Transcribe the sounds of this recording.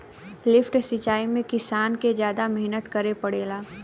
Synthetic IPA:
lɪfʈsɪt͡ʃaːimẽkɪsaːnked͡ʒjaːd̪amɛɦnət̪kɐɾepɐɽeːlaː

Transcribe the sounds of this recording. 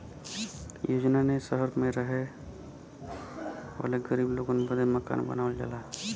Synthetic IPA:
joːd͡ʒnanesəɦəɾmẽɾəɦe | ʋa̰ːleɡəɾiːbloːɡonebəd̪eməka̰ːnbə̰naːʋəld͡ʒa̰ːlaː

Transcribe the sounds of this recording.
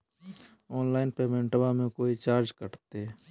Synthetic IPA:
ɔːnlaːɪnpeːmẽɳʈbamẽkoːit͡ʃaːɾd͡ʒkəʈt̪e

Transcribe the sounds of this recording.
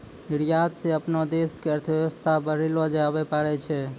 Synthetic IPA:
iɾijad̪sẽəpnɔd̪eskeəɾt̪ʰəʋjeʋəst̪ʰabəɾilɔd͡ʒabɛpaɾɛt͡ʃʰɛ

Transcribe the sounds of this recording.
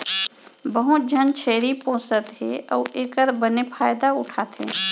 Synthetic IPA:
bəɦʊt̪̚d͡ʒʱənt͡ʃʰeːɾipõːsət̪ɦeɔːʔeːkəɾbənepʰaːjd̪aʊʈʰaːt̪ɦḛː

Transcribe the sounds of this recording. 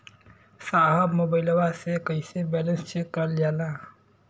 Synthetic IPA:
saɦəbmoːbəɪləʋasekəisebɛlənst͡ʃekəld͡ʒala

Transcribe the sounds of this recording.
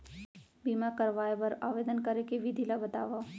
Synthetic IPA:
biːmakɐɾʋaːebɐɾa̰ːʋeːd̪ənkɐɾekeʋid̪ʱilabɐt̪aːʋa

